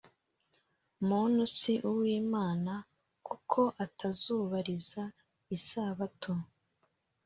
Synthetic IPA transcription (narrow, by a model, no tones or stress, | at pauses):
munusiʔuwiːmaːna | kukʰo̞ʔatʰazuːβaɾiza | isaβatʰo